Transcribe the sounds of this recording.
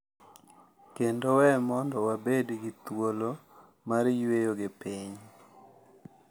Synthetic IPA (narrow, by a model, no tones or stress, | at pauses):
kendowɛmɔndɔwabedɡit̪wolo | maɾjwejoɡepiɲ